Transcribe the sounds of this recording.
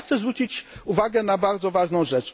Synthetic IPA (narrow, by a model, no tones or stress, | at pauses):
xsɛzvɾut͡ɕit͡ɕuvaɡɛnabaɾd̪zɔvaʐnɔ̃w̃ʐɛt͡ʂ